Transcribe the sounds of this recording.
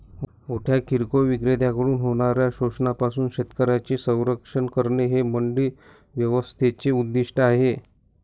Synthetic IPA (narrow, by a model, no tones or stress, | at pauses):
muʈʰjakiɾkoʋiɡɾed̪ʱjakəɽuːnɦoɽ̃aɾjaɕoʂɳapasuːnɕet̪kəɾat͡ɕesə̃w̃ɾəkʂəɳkəɾɳeɦeməɳɖi | ʋjəʋəst̪ʰet͡seud̪ːiʂʈaɦe